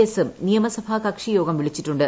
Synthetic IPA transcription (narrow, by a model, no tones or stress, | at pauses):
esemnijɐmɐsɐbʱakɐkʂijo̞ːɡɐmʋiɭit͡ɕːiʈːuɳɖɨ